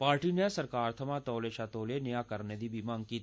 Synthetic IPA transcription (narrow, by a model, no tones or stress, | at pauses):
paːɾʈinjasɐɾkaːɾt̪ʰɐmat̪ɔːleʃaːt̪oːlenejaːkɐɾned̪ibimãŋki